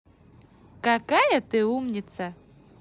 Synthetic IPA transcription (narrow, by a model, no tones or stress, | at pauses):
kakajɐt̪ɨumnʲit̪sɐ